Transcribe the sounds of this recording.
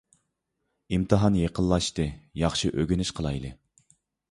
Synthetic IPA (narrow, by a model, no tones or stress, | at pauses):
imt̪ʰɨɦɑnjeqʰəlˠːɑʃt̪ɨjɑχʃiʔøɡʲynyʃqʰəlˠɑjlˠɨ